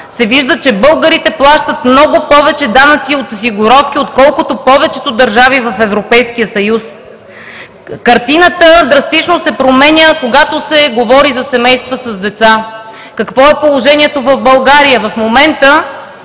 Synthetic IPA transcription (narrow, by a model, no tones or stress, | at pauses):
sɛviʒd̪ət͡ʃɛbɤlˠɡəɾit̪ɛplˠaʃt̪ət̪mnɔɡʊpɔvɛt͡ʃɛd̪anət̪siot̪osiɡʊɾɔfkiot̪kɔlˠkot̪opɔvɛt͡ʃɛt̪od̪ɐɾʒavivɐfɛvɾopɛjskijəsɐjus | kɐɾt̪inət̪əd̪ɾɐst̪it͡ʃnosɛpɾomɛnʲəkoɡat̪osɛɡovɔɾizɐsɛmɛjst̪vəsɐzd̪ɛt̪sa | kɐkvɔɛpolˠoʒɛnʲiɛt̪ovɐvbɐlˠɡaɾijəvɐfmomɛnt̪ə